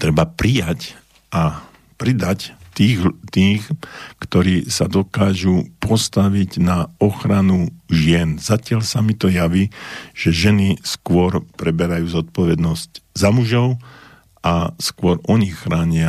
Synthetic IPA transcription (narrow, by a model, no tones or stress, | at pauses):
t̪ɾɛbapɾijac | ʔa | pɾid̪act̪iːɣt̪iːxkt̪ɔɾiːsad̪ɔkaːʒupʰɔst̪aʋiɟnaɔxɾanuʒɪɛnzacɪaʎsamit̪ɔjaʋiːʒ̥ɛʒɛniskʊɔɾpɾɛbɛɾajuːzɔt̪̚pɔʋɛd̪nɔsczamuʒɔʊ | ʔaskʊɔɾʔɔɲixːɾaːɲɪa